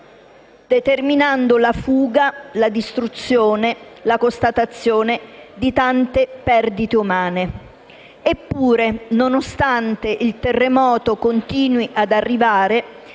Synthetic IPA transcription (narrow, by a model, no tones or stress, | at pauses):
d̪̥et̪erminand̪olafuːɡalad̪ist̪ɾut̪sːjoːnelakost̪at̪at̪sːjoːned̪it̪ant̪epɛrd̪it̪eumaːne | epːuːɾenonost̪ant̪eʔilt̪erːemɔːt̪okont̪iːnwiʔad̪arːivaːɾe